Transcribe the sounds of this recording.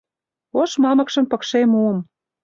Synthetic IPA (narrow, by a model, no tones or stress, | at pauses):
oʃmɑmɤ̆kʃə̆mpɤ̆kʃemuəm